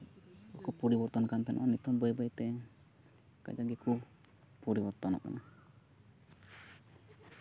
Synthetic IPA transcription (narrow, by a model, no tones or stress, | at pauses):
ɔkupuɾibɔɾt̪ɔnkant̪ɛnʔɔ̰ʔɔnit̪ɔmbəjbəjt̪ɛ | ka̰d͡ʒaɡɛku | puɾibɔɾt̪ɔna̰ʔka̰na